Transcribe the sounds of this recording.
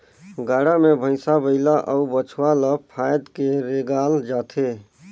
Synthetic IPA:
ɡaːɽamebʱə̃ɪsabəɪlaʔəubət͡ʃʰwalapʰajd̪keɾeɡaːld͡ʒaːt̪ʰe

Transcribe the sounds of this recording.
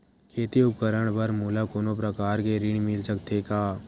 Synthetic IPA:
kʰeːt̪iʊp̚kəɾəɽ̃bɐɾmuːlakoːnopɾɐkaːɾkeɾɪɳ̃mɪlsəkt̪ʰekaː

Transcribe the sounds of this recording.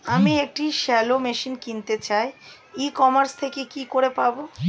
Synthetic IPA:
amiek̚ʈiʃɛlomeʃinkint̪et͡ɕae | ikɔmaɾst̪ʰekekikoɾepabo

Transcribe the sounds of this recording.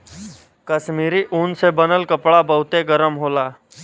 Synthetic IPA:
kəsmiːɾiʔuːnsebənəlkəpɭabəɦut̪eɡəɾəmɦola

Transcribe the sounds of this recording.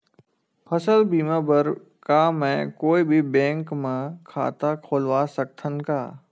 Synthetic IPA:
pʰəsəlbiːmãːbəɾ | kaːmɛ̃koːibʱibɛ̃ːŋkmãkʰa̰ːt̪akʰoːlʋasək̚t̪ʰən̆kaː

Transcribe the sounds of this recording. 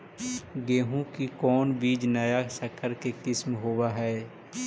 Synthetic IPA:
ɡeːɦũkikɔːnbiːd͡ʒnəjasəkʰəɾkekɪsmɦoːwaɦɛː

